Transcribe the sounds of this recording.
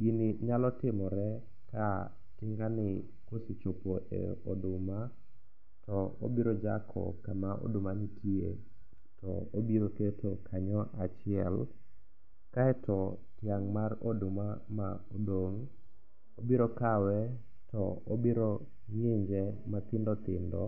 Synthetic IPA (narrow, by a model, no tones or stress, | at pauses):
ɡinɪɲalɔtɪmɔɾɛ | ka | tɪŋɡanɪ | kosit͡ʃopoʔɛ̰ɔdʊma | tɔo̰biɾod͡ʒakʰɔ̰kamaʔo̰dʊmanɪtʰje | tɔ̰obiɾoketʰokʰaɲɔʔat͡ʃɪɛ̰l | kaɛtɔ | tjaŋmarodʊmamaodoŋ | obiɾɔkawɛ | tɔobiɾo | ŋjeɲd͡ʒɛmat̪ɪndɔt̪ɪndɔ